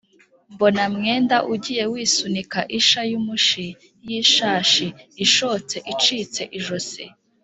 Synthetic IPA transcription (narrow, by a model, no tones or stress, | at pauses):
mbonamŋe̞ːndaʔuɟiːje̞wiːsunikaʔiʃajumuʃi | jiʃaːʃiːʃoːt͡se̞ʔit͡ʃiːt͡se̞ʔiʒosḛ